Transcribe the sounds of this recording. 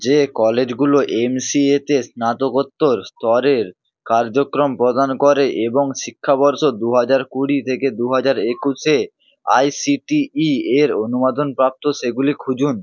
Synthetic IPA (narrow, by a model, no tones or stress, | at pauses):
d͡ʑekɔled͡ʑɡuloʔemsiet̪esnat̪okot̪ːoɾst̪ɔɾeɾ | kaɾd͡ʑokɾompɾod̪ankɔɾeʔeboŋʃikʰːabɔɾʃod̪uɦad͡ʑaɾkuɽit̪ʰeked̪uɦad͡ʑaɾekuʃe | a̰jsiʈiieɾonumad̪onpɾap̚t̪oʃeɡulikʰud͡ʑun